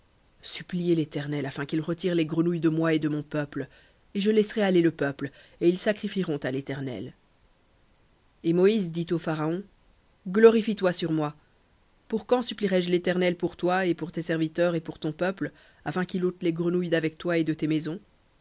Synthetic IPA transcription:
syplijelet̪ɛʁnɛlafɛ̃kilʁət̪iʁleɡʁənujd̪əmwaed̪əmɔ̃pœpl | eʒəlɛsʁɛaleləpœpl | eilsakχifiʁɔ̃t̪alet̪ɛʁnɛ̰l | emɔizd̪it̪ofaʁaɔ̃ | ɡlɔʁifit̪wasyʁmwa | puʁkɑ̃sypliʁɛʒlet̪ɛʁnɛlpuʁt̪waepuʁt̪esɛʁvit̪œʁepuʁt̪ɔ̃pœpl | afɛ̃kilot̪leɡʁənujd̪avɛk̚t̪waed̪ət̪emɛzɔ̃

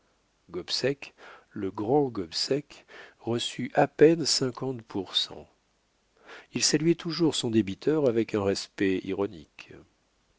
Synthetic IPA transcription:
ɡɔbsɛkləɡʁɑ̃ɡɔbsɛkʁəsyʔapɛnsɛ̃kɑ̃t̪pʰuʁsɑ̰̃ | ilsalɥɛt̪uʒuʁsɔ̃d̪ebit̪œʁavɛkɛ̃ʁɛspɛḭʁɔnḭk

